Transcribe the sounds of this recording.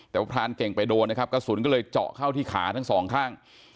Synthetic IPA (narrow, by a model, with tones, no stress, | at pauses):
t̪ɛː˨˩wa˦˥p̪ʰtʰaː˧nke˨˩ŋpa˧jdoː˧nːa˦˥kʰa˦˥p̚ka˥˩suː˩˦nkɔː˥˩lɤː˧jt͡ɕɔ̰˨˩ʔkʰa˥˩wt̪ʰiː˥˩kʰaː˩˦t̪ʰa˦˥˩ŋsɔː˩˦ŋkʰaː˥˩ŋ